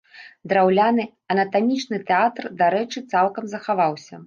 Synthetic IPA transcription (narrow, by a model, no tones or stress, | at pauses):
d̪ɾawlʲanɨ | ɐnɐt̪amʲit͡ʂnɨt̪ɛat̪rd̪aɾɛt͡ʂɨt̪salˠkɐmzɐxavawsʲɐ